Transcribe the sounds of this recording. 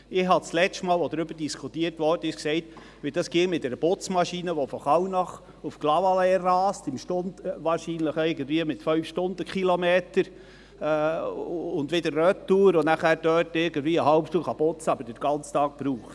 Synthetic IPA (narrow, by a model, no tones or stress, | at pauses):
ɪhɦɑt͡slɛstmɑːlʋɔd̪ɾʏbəd̥iskʰut̪iətʋɔrd̥əɪʃksɛɪt | ʋɪld̥ɑsɡ̥ɪŋmɪt̚dɛɾəbʊt͡smɑʃiːnəʋɔfɔχɑwnɑχ | ufɡ̥lɑʋɑlɛrɑːstɪmʃtʊndʋɑːɾʃiːnləχɛɪɡəndʋiəmɪtfœɥfʃtʊnd̪əkχilɔmeːt̪əɾ | ʊnd̪ʋɪd̥əɾːœt̪ːuːɾʊnæχæːɾd̥œːtɪɾɡ̥əndʋiːəɦɑwpt̪uːχɑb̥ʊt͡sɑbəɾd̥əɾɡ̥ɑnt͡st̪ɑːk̚pɾuːχt